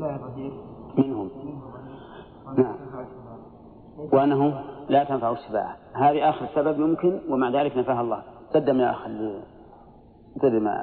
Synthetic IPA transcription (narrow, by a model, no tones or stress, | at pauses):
mɪnhʊm | naʕam | wʔanːaɦʊlat̪anfaʕuʃːɪba̰ːʕaɦaːðiʔaːxɪɾɪsːababmʊmkɪnwɪmaʕðaːlɪknafaːɦɑlˤːɑ̰ːhsad̪ːamjaʔa̰xli | t̪ˤad̪ɪma̰